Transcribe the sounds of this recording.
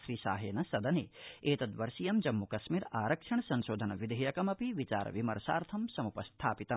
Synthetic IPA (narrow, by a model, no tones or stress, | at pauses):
ʃɾiːsa̰ːɦeːnɐsɐd̪ɐneːeːt̪ɐd̪ʋɐɾsijɐmd͡ʒɐmːukɐsmiːɾaːɾɐkʂɐɳsɐnʃoːd̪ʱɐnɐʋid̪ʱɐjɐkɐmɐpiʋit͡ʃaːɾɐ̰ʋimɐ̰ɾsa̰ːɾt̪ʰɐmsɐmupɐst̪ʰaːpit̪ɐm